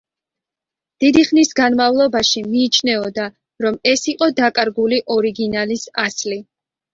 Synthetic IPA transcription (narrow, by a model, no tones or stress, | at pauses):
d̪̥id̪iχnisɡanmavlˠɔbaʃimiːt͡ʃʰnɛɔd̪a | ɾɔmɛsiqʼɔd̪akʼaɾɡuliʔɔɾiɡinalisa̰sli